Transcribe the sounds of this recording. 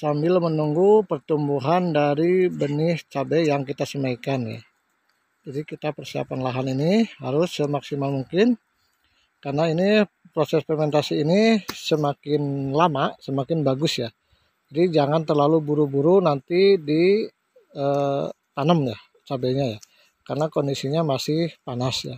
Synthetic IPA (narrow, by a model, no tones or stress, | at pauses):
sambɪlmənuŋɡupərt̪umbuɦandaɾibənɪht͡ʃabɛjaŋkit̪asəmaikanja̰ | d͡ʒadikit̪apərsia̰panlaɦaninihaɾʊsəmaksimalmuŋkɪn | karnaini | pɾosɛspɛrmɛnt̪asiːnisəmakɪnlamaʔsəmakɪnbaɡʊsja | d͡ʒadid͡ʒaŋant̪ərlalubuɾubuɾunant̪idi | ət̪anəmja | t͡ʃabɛɲaja | karnakondisiɲamasɪhpanasja̰